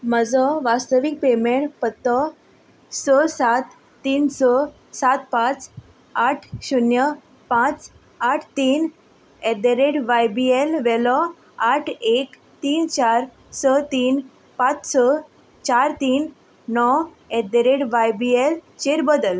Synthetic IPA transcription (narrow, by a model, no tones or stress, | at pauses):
məd͡zɔʋast̪əʋik̚pemeɳʈpət̪ːɔ | sɔsat̪ː | iːnsɔ | sat̪pãt͡s | aʈʰɕunjə | pãt͡s | aʈʰt̪iːn | ɛd̪eɾeɽʋajbielʋɛlɔ | aʈʰek | t̪iːnt͡ɕaɾ | sɔt̪iːn | pat͡ssɔ | t͡ɕaɾt̪iːn | nɔ | ɛd̪eɾeʈʋajbielt͡ɕeɾbəd̪əl